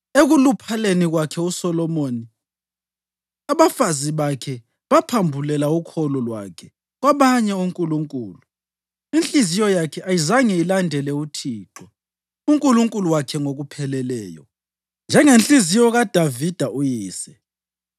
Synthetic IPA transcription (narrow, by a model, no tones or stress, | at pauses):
eɣulupʰaleniɣwakʰɛusɔlɔmoːni | aβafaziβakʰɛ | βapʰambʱulɛlaukʰɔlɔlwa̰kʰɛ | ɣwaβaɲɛuŋkʼuluŋkʼṵːlu | inɬʼizijɔjakʰɛʔajizaŋɛilandʱɛlɛutʰiːǁɔ | uŋkʼuluŋkʼuluwakʰɛŋoɣupʰɛlɛlɛ̰ːjɔ | nd͡ʒʱɛŋent͡ɬʼizijɔɣad̥ʱavid̥ʱaʔujiːsɛ̥